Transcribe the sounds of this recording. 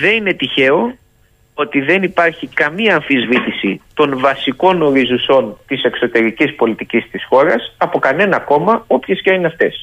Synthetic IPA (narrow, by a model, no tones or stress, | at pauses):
ðe̞nine̞t̪içe̞o̞ | o̞t̪iðe̞nipɐɾçikɐmiɐːɱfizvit̪isit̪o̞nvɐsiko̞no̞ɾizuso̞nt̪ise̞kso̞t̪e̞ɾicispo̞lit̪icist̪isxo̞ɾɐsɐpo̞kɐne̞nɐko̞mɐo̞pçescɐineɐft̪e̞s